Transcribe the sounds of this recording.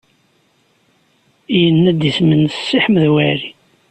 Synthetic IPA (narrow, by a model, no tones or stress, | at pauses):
ijənːæd̪ismənsːiħmðwæɾi